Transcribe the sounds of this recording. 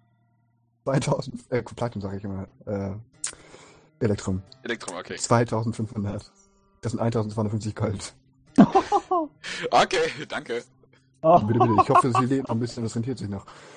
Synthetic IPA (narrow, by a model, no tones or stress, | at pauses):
t͡sv̥aɪtʰaʊzn̩tʔɛːkʰɔpʰlatʊmzaːɡəɪçɪmaːlʔɛː | ʔelɛk̚tʁ̥omelɛk̚tʁ̥oo̰kʰḛːt͡sv̥aɪtʰaʊzn̩tfʏnfhʊndɐt | d̥aszɪntʔaɪntʰaʊzntt͡sːaɪʊnətfnft͡sɪçɡ̥ɔlt | ʔokʰeːd̥aŋkə | bɪtəɪtəɪçhɔfəzzileːtnɔχn̩bɪsçənʊtd̥asʁɛntʰiːɐtz̥ɪçnɔχ